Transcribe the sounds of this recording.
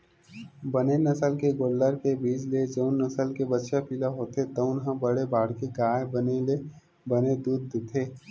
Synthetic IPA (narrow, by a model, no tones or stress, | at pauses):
bənenəsəlkeɡoːɖːəɾkebiːd͡ʒled͡ʒəʊnːəsəlkebətːʃapilaɦoːt̪et̪əʊnɦə̃bəɽebaːɽkeɡaːebənele | bəned̪uːd̪t̪ʰeː